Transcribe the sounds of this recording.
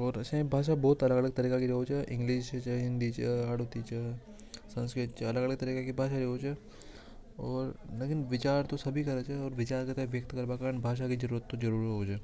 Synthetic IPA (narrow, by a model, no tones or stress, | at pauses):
ɔːɾɐsẽbʱaːʃ̬abɔːt̪ɐləɡɐləɡ̚t̪ɐɾiːkakiɾeɦot͡ʃʰɛʔɪ̃ŋɡliːʃt͡ʃʰəɦɪ̃nd̪it͡ʃʰḛaːɽot̪it͡ʃʰe | sɐ̃nskɾɪt̪̚t͡ʃʰeɐləɡələɡ̚t̪ɐɾiːkakibʱaːʃaɾeɦoːt͡ʃʰɛ | ɔːɾleːkɪnʋɪt͡ʃaːɾt̪osɐbʱikɐɾət͡ʃʰɛɔːɾʋɪt͡ʃaːɾkɐt̪ɛʋjɐk̚t̪kɐɾbakaɾəɳbʱaːʃ̬akid͡ʒɐɾuːɾət̪ːod͡ʒɐɾuːɾɦɦoːt͡ʃʰɛ